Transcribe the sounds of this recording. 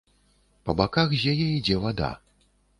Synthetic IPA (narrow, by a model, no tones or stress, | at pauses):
pɐbakaxzʲjajɛid͡zʲɛvad̪a̰